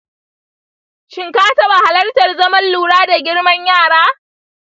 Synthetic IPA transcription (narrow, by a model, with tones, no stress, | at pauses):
ʃɪ˨ŋkaː˦tɐ˦ba˨ha˨lɐ˦rtɐ˨rzɐ˦mɐ˦nluː˨ɽaː˦da˨ɡʲɪ˦ɽmɐ˦ɲjaː˦˨ɽaː˦